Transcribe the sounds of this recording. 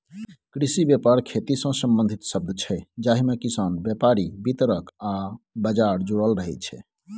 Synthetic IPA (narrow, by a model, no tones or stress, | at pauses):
kɾisibjepaɾkʰet̪isə̃səmbə̃nd̪ʱit̪səb̚d̪ʱt͡ʃʰɛd͡ʒaɦimekisanbjepaɾibit̪ɾəka | bəd͡ʒaɾd͡ʒoɽəlɾəɦɛt͡ʃʰɛ̰